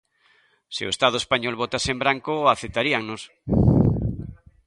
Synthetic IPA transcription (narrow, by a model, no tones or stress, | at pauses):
seo̰est̪að̞oespaɲolβot̪aseembɾaŋkoaθet̪aɾiaŋnos